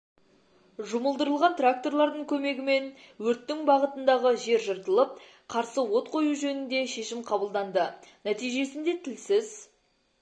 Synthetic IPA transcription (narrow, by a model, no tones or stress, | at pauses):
ʒʊməlˠd̪əɾəlˠʁɑnt̪rak̚t̪o̞rlˠɑɾd̪əɴkʲʰɵme̞ɡʲɪme̞n | wɵɾt̪ːɪŋbɑʁət̪ənd̪ɑʁəʒe̞ɾʒəɾt̪əlˠəp̚ | qʰɑɾsəwo̞t̪̚qʰo̞juʒɵnɪnd̪e̞ʃe̞ʃɪmqʰɑbəlˠd̪ɑnd̪ənæt̪ijʒe̞sɪnd̪e̞t̪ʰɪlsɪz